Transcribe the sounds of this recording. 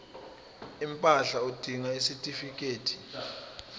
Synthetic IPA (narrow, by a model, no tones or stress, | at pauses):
impʼaɬaud̥ʱiŋaisitʼifik̬ʼeːtʰi̥